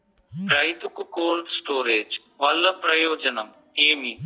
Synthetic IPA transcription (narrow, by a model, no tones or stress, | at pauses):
pɾɐɪd̪ʊkkoːlɖsʈoːɾeːd͡ʒ | ʋɐlːɐpɾɐjoːd͡ʒənɐm | eːmiː